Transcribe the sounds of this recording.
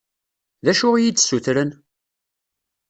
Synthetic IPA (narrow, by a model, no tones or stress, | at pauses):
ðæʃʊʁjit͡sːsuθɾən